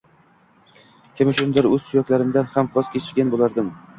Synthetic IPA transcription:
kʲʰemɪʃʊnd̪ɪɾɵz̥sʰʊjɒkʲlaɾɪmd̪anhamvɒz̥kʲʰet͡ʃʰɪɾɡʲanbolˠaɾd̪ɪm

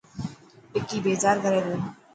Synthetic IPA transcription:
ɪkiːbeːzaːɾkəɾeːd̪oː

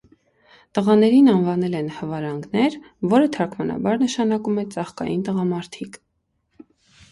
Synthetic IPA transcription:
t̪əʁɑnɛɾinɑnvɑnɛlɛnhəvɑɾɑŋɡnɛɾ | vɔɾət̪ʰɑkʰmɑnɑ̰bɑɾnəʃɑnɑkumɛt͡sɑχkɑ̰jint̪əʁɑmɑɾt̪ʰikʰ

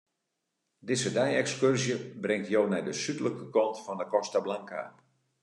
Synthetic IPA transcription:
dɪzədɛjɛkskørzjəbrɪŋtjoːnɛjdəsytləkəkɔntfɔndəkɔstablaŋka̰ː

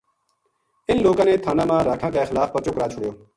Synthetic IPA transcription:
ɪnloːkãːnẽːt̪ʰaːnãːmãːɾaːkʰãːkaexɪlaːfpəɾt͡ʃʊkɾaːt͡ʃʰʊɽjoː

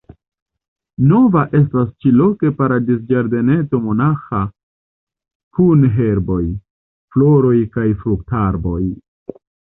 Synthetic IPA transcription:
no̞vaʔe̞s̬tast͡ʃilo̞ke̞paɾadis̬d͡ʒaɾde̞ne̞t͡so̞mo̞naxa | kunɦe̞ɾbo̞j | flo̞ɾo̞jkajfɾuktaɾbo̞j

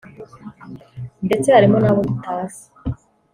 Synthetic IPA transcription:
nde̞t͡se̞haɾimo̞naβomutʰaːsi̥

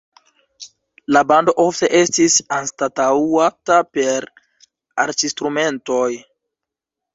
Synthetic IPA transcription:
labando̞ʔo̞fte̞ʔe̞stisanstataatape̞ɾ | aɾt͡ʃistɾume̞nto̞j

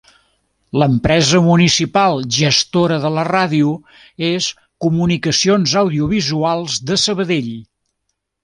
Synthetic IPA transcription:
ləmpɾɛzəmunisipalˠʒəst̪oɾəðələraðiu | es | kumunikəsionzəwðiuβizualˠzðəsəβəðeʎ

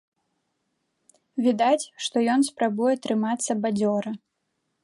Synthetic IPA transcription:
vʲid̪at͡sʲʂt̪ɔjɔnspɾabujɛt̪ɾɨmat̪sːɐbad͡zʲɔɾɐ

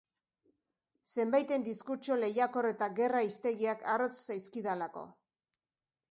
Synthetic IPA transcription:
se̞mbajt̪e̞nd̪iskut͡ʃo̞le̞jako̞re̞t̪aɣe̞raist̪e̞ɣiakʰaro̞t͡ssajskiðalako̞̰

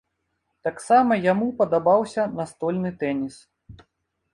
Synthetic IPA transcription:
t̪aksamɐjamupɐd̪abawsʲɐnɐst̪ɔlʲnɨt̪ɛnʲis

